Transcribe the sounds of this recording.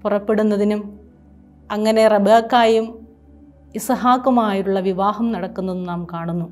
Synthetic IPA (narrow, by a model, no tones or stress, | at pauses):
purɐpːe̞ɽunːɐðinum | ɐŋːɐne̞rɐbʱakːaːjum | isɐɦaːkːɐmaːjiuɭːɐʋiʋaːhɐmnɐɽɐkːunːɐðnaːmkaːɳunːu